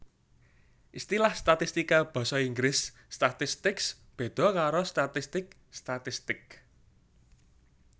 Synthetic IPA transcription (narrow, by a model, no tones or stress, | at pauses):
ʔist̪ilahst̪at̪ist̪ikab̥ɔ̤sɔiŋɡɾɪsː | t̪at̪ɪst̪ɪks | b̥e̤d̪̥ɔ̤kaɾost̪at̪ist̪ɪk̚ | st̪at̪ɪst̪ɪk̚